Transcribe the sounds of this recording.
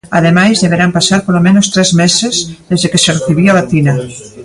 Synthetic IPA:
aðemajzðeβeɾampasaɾpolomenost̪ɾɛzmesezðezðekesereθiβiaβat̪ina

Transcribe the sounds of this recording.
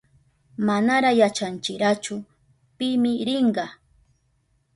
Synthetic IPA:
manaɾajat͡ʃant͡ʃɪɾat͡ʃʊ | pɪmɪɾɪɴɢɑ

